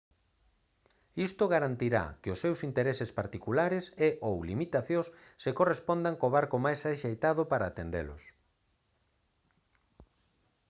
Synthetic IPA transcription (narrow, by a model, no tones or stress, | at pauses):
ist̪ʊɣaɾant̪iɾa̰kɪʊsːewsint̪eɾesɪspaɾt̪ikulaɾɪseʔowlimit̪aθjõsːekorespond̪aŋkoβaɾkomajsaʃejt̪að̞ʊpaɾaːt̪end̪ḛlʊ̰s